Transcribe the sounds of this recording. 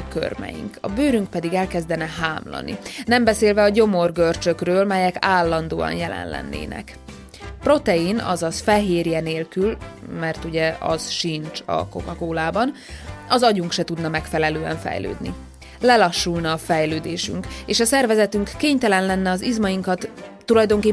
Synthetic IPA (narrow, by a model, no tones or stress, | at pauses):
kø̰rmɛ̰jḭŋkʰɒ̰bøːɾyŋk̚pɛd̪iɡɛlkɛzd̪ɛnɛɦaːmlɒ̰nḭnɛmbɛseːlvɛɒɟo̞mo̞rɡørt͡ʃø̞krøːlmɛjɛkaːlːɒnd̪o̰ːɒ̰njɛlɛ̰nlɛ̰nːḛːnɛ̰k | pro̞t̪ɛinɒ̰zɒfɛɦeːrjɛneːlkylmɛrt̪uɟɛɒ̰z̥ʃint͡ʃɒ̰ko̞̰kɒkoːlaːbɒn | ɒzɒɟuŋkʃɛt̪ud̪nɒmɛkfɛlɛløːɛ̰ɱfɛ̰jlø̰ːd̪nḭ | lɛlɒʃːulnɒːfɛjløːd̪eːʃy̰ŋkeːʃɒsɛrvɛzɛt̪yŋkːeːɲt̪ɛlɛnlɛnːɛɒzizmɒjiŋkɒt̪ː | ulɒjd̪o̞ŋkeː